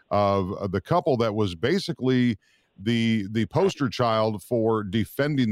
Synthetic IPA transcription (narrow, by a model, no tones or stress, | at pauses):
ʔʌvðɨkʰʌpl̩ˠðɨt̚wʌzbeɪsɨkli | ðɨðɨpʰoʊstə˞t͡ʃʰaɪlˠd̥fə˞dɨfɛ̃ndɪ̃ŋ